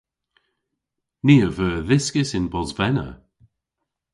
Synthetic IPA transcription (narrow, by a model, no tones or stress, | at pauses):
niːəvəːðɪskɪsɪnbɔzvɛnə̰